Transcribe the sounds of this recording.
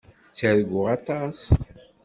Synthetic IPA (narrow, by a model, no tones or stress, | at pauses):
t͡sːəɾɡʷʊʁɑt̪ɑs